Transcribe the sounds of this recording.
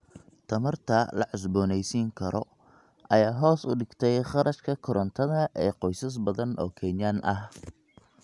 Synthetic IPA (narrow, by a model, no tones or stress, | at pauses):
t̪ʰɐmɐrt̪ʰɐlɐ̰ʕʊs̬bɔːnɛjsiːŋkʰɐɾɔ | ʔɐjaːɦɔːsʊɖɪɡt̪ʰɛjχɑɾʔɐʃkʰɐkʰʊɾʔɐnt̪ʰɐðɐʔɛːqɔjsɐs̬bɐðɐnɔ̰ːkʰɛːnjanʔɐh